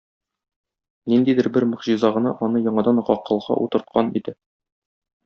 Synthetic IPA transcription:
nind̪id̪ɘɾbɘɾmɵ̆ʁʑĭzɑʁɤ̆nɑʔɒnɤjɒɴɑd̪ɑnʁɒqʰːɤ̆lˠʁɑ̰ʔut̪ɤ̆ɾt̪̚qʰɑnḭd̪ɘ

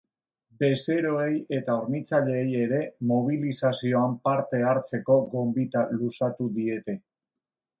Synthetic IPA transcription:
be̞se̞ɾo̞e̞je̞t̪aoɾnit͡saʎe̞ːje̞ɾe̞mo̞β̞ilisasio̞ampaɾt̪e̞aɾt͡se̞ko̞ɣo̞mbit̪alusat̪uðie̞t̪e̞

